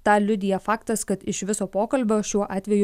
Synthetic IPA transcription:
t̪ɑːlʲʊd̪ʲɪjɛfɑːkt̪ɐskɐt̪ɪʃʋʲɪsoːpoːkɐlʲbʲoːʃʲuɔʔɑːt̪ʲʋʲɛjʊ

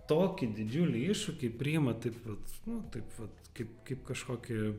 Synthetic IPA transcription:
t̪oːkʲɪd̪ʲɪd͡ʒʲulʲɪiʃʊkʲɪpʲɾʲiɪmɐt̪ɐɪpʋɐt̪nʊt̪ɐɪpʋɐt̪kɐɪp̚kɐɪpkɐʃkoːkʲɪ

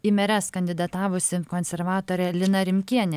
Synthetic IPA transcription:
imʲɛɾʲɛskɐnʲd̪ʲɪd̪ɐt̪ɑːʋʊsʲɪkɔnʲsʲɛɾʋɑːt̪oːɾʲɛlʲɪnɐɾʲɪmʲkʲiɛnʲɛ

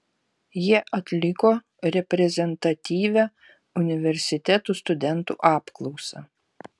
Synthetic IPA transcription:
jiɛʔɐt̪ʲlʲɪkoː | ɾʲɛpʲɾʲɛzʲɛnt̪ɐt̪ʲiːʋʲæ | ʊnʲɪʋʲɛɾʲsʲɪt̪ʲɛt̪uːˑst̪ʊd̪ʲɛnt̪ṵːʔɑːpklˠɔʊsɐ̰

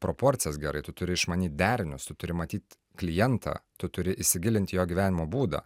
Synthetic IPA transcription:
pɾopoːɾʲt̪sʲɪjɛsɡʲɛɾɐɪt̪ʊt̪ʊɾʲɪɪʃmɐnʲiːt̪̚ʲd̪ʲæːɾʲɪnʲʊst̪ʊt̪ʊɾʲɪmɐt̪ʲiːt̪ʲ | klʲɪjɛnt̪ʰɑ̰ːt̪ʊt̪ʊɾʲɪʔɪʃʲsʲɪɡʲɪlʲɪnt̪ʲjoːɡʲiʋʲæːnʲɪmoːbuːd̪ɐ̰ː

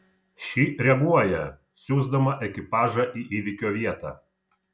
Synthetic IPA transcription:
ʃʲiːɾʲɛɡuɔjɛ | sʲuːzd̪ɐmɐʔɛkʲɪpɑːʒɐʔiːʔiːʋʲɪkʲoːʋʲiɛt̪ɑ̰ː

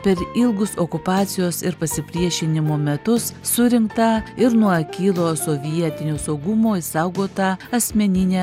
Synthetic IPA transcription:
pʲɛɾɪlˠɡʊsoːkʊpɑːt̪sʲɪjoːsɪɾpɐsʲɪpʲɾʲiɛʃʲɪnʲɪmoːmʲɛt̪ʊsːʊɾʲɪŋkt̪ɐɪɾnuɔkʲiːlˠoːsoːʋʲiiɛt̪ʲɪnʲoːsɒʊɡʊmoːɪsɐʊɡoːt̪ɑɐsʲmʲɛnʲɪnʲɛː

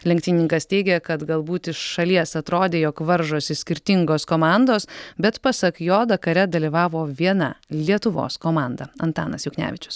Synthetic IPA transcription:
lʲɛŋʲk̚ʲt̪ʲinʲɪŋkɐst̪ʲɛɪɡʲɛkɐt̪ɡɐlˠbuːt̪ɪʃʃɐlʲiɛsɐt̪ɾoːd̪ʲeːjoːkʋɐɾʒoːsʲɪsʲkʲɪɾʲt̪ʲɪŋɡoːskoːmɑˑnd̪oːsbʲɛt̪pɐsɐkjoːd̪ɐkɐɾʲɛd̪ɐlʲiʋɑːʋoːʋʲiɛnɐ̰lʲiɛt̪ʊʋo̰ːskoːmɑːˑnd̪ɐɐnt̪ɑːnɐsjʊknʲæ̰ːʋʲɪt͡ʃʲʊ̥s

